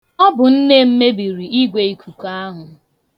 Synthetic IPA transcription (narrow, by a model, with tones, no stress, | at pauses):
ɔ˦bʊ˨n̩˦ne˦m̩˦me˦bi˨ɾi˨i˦ɡʷe˨i˨kʰu˨ka˦a˦ɦʊ˨